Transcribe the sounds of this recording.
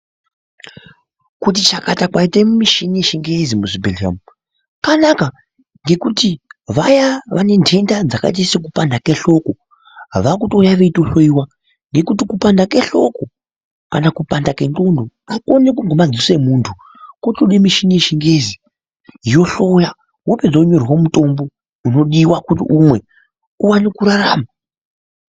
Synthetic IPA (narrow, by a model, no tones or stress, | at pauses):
kut̬it͡ʃakatakwaitemmiʃinieʃiŋɡezimuʐibʱeliamu | kanaka | ŋɡe̞kutiʋajaʋane̞nde̞ndad͡zaka̰it̬aisek̬upandakeɬo̞ko | ɦʋak̬uto̞jaʋe̞ito̞ɬoiwa | ŋɡe̞kutikupandake̞ɬo̞̰ko | kanakupandake̞ndondo | ako̞nekuŋɡomad͡zise̞muːntʰu | kotoɗemiʃinieʃiŋɡe̞zi | ijo̞ɬo̞ja | woped͡zauɲo̞rwomuto̞mbo̞ | uno̞ɗiwakutiʔumwe̞ | uwanikuɾaraːma